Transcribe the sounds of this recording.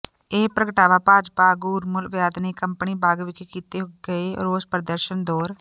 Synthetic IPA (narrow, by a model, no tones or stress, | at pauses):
eːpɾəkəʈaːʋaːpaːd͡ʒpaɡuːɾmʊlʋjaːd̪neːkəmpniːbaːɡʋɪkekiːt̪eːɦoɡɡəeːɾoːzpɾəd̪əɾʃənd̪ɔːɾ